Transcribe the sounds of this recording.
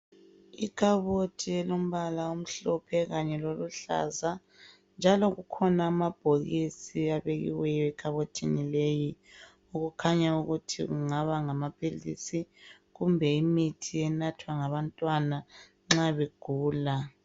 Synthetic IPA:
ikʰʼaβotʰiɛlom̩βalaom̩ɬɔpʰɛɣaɲɛloluɬa̰za | nd͡ʒʱalɔɣukʰɔnaːmab̥ʱoɣisiaβeɣḭwɛjɔɛkʰʼaβotʰinileːji | uɣukʰaɲauɣutʰḭɣuŋaβaŋamapʰʼilisi | ɣumbʱɛimitʰiɛnatʰwaŋaβantʼwana | ŋ͡ǁaβeɡ̥ʱuːla

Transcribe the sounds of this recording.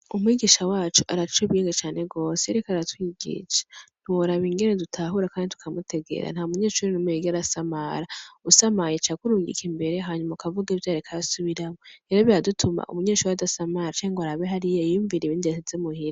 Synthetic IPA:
umwiːɡiʃawaːt͡ʃuʔaɾat͡ʃuβiːŋɡat͡ʃaːneɡo̞ːseɾekaɾatwiːɡḭʃḁn̥huwoɾaβiŋɡe̞ne̞dutʰaːɦuɾakaːnditu̥kʰamutʰe̞ɡe̞̰ɾa̰n̥haumuɲe̞ːʃuɾinumueɡiaɾasamaɾausamajet͡ʃakuɾuːŋɡḭkimbe̞ɾeɦaːɲumaukavuɡaevjaːɾikʰajasuβiɾamoeɾoβiɾadutʰuma̰ʔṵmuɲeːʃuːɾiadasamaɾat͡ʃaŋɡoaɾaβeɦaɾijojuːɱviɾeβiːndiasizemuhiɾa

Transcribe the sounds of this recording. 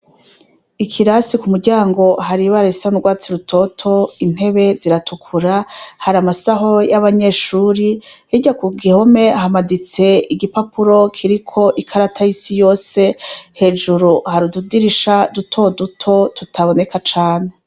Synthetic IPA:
ikʰiɾasikumuɾɟaːŋɡo̞ɦaɾiβaɾaisanuɡwaːt͡siɾutʰo̞tʰo̞in̥e̞βe̞ziɾatʰukʰuɾahaɾamasaɦo̞jaβaɲe̞ːʃuːɾihiɟakuɡiho̞me̞hamadit͡se̞iɡipapuɾo̞kʰiɾikʰo̞ʔikʰaɾatʰajisijo̞ːse̞he̞ːd͡ʒuɾuhaɾududiɾiʃadutʰo̞dutʰo̞tutʰaβo̞ne̞kat͡ʃaːne̞

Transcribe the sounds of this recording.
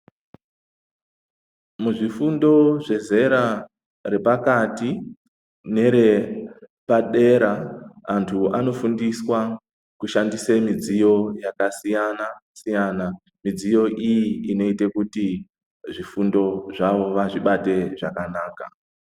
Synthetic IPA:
muʐifundo̞ʐe̞ze̞ɾa | re̞pakati | ne̞ɾe̞ | paɗe̞ɾaantʰuano̞fundiswa | kuʃandisemid͡zijo̞jakasijanasijaːna | mid͡zijo̞ʔijiino̞itekuti | ʐifundo̞ʐaʋo̞ʋaʐiɓate̞ʐakanaːka̰

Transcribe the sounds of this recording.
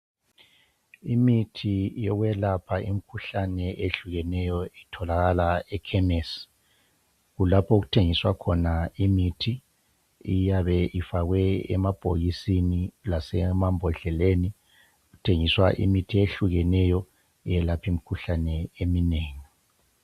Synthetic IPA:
imitʰijɔɣwɛlapʰaʔim̩kʰuɬanɛʔeɬuɣɛnɛjɔitʰɔlaɣalaɛkʰɛmɛs | ɣulapʰɔɣutʰeŋiswakʰɔnaimitʰi | ijaβɛifaɣwɛɛ̰mab̥ʱo̰ɣisinilasɛmambʱɔɮɛleni | ɣutʰeŋiswa̰ʔḭmitʰieɬuɣɛnɛjɔ | jɛlapʰim̩kʰuɬanɛemineːŋi

